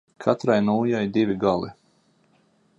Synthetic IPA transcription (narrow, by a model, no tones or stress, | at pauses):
kʰat̪ɾajnuːjajd̪ivʲiɡalˠi